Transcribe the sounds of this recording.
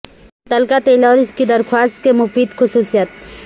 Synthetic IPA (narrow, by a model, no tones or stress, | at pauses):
t̪ɐlkat̪eːlɔːɾɪskid̪ɐɾxwaːst̪̚kemʊfiːd̪xʊsuːsijət̪̚